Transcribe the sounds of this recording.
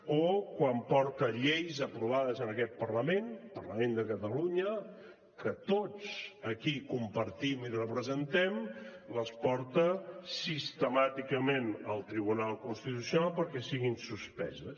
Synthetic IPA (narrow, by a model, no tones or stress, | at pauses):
okwampɔɾt̪əʎejzəpɾuβ̞aðəzənəkɛt̪̚pərləmenpərləmend̪əkət̪əluɲə | kət̪ot͡səkikumpəɾt̪imirəpɾəzənt̪ɛm | ləspɔɾt̪əsist̪əmat̪ikəmenəlˠt̪ɾiβunalˠkunst̪it̪usjunalˠpəɾkɛsiɣinsuspɛ̰zəs